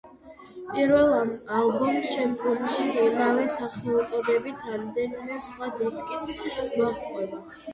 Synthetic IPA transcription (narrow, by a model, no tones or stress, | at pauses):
pʼiɾvɛlˠamalˠbɔmt͡ʃʰɛmɔmʃiimavɛsaχɛlˠt̪ʼɔd̪ɛbit̪ʰɾamd̪ɛnimɛsχwad̪iskʼit̪maχʼɛba